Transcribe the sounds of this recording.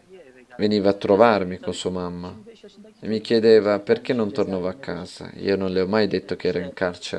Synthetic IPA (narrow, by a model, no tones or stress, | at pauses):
veniːvaːt̪ːɾovarmikonsuːamamːaemːik̟jed̪eːvaperk̟enːont̪ornaːvaakːaːz̥a̰ḭːononleɔmːajd̪et̪ːokeɛːɾaiŋkart͡ʃe